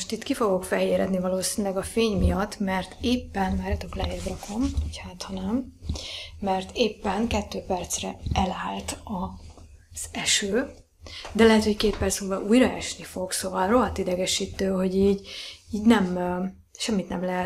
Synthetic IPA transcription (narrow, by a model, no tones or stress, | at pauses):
oʃt̪it̪kifo̞ɡo̞kfɛɦeːɾɛd̪nivɒloːsinylɛɡɒfeːɲmijɒt̪ːmɛrt̪eːpːɛnmaːɾɛt̪oklɛeːrd̪rɒkʰo̞mchaːt̪hɒnɛmː | ɛrt̪ʰeːpːɛŋkɛt̪ːøːpɛrt̪srɛɛlaːlt̪ɒ | z̥ɛʃøː | d̪ɛlɛɦɛt̪ho̞ckeːt̪̚pɛlsoːvɒʔuːjrɒɛʃnifo̞ɡsovɒlro̞ɦɒt̪id̪ɛɡɛʃiːt̪øːɦo̞ɟiːɟiːɟnɛm | ʃɛmːit̪nɛmlɛɦɛt̪